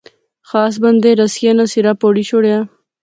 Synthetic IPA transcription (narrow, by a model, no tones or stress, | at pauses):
xaːs̬bɐnd̪eɾɐsjanasiɾapoːɽiɕoɽja